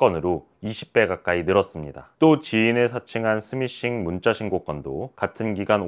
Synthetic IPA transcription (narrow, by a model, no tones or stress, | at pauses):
k͈ʌnɯɾo | iɕʰi̥p̚p͈e̞ɡak͈ainɯɾʌs͈ɯmɲida̰t͈ot͡ɕiinesʰat͡ɕʰiŋɦansʰɯmiɕ͈iŋmunt͡ɕ͈aɕʰiŋɡok͈ʌndokatʰɯnɡiɡan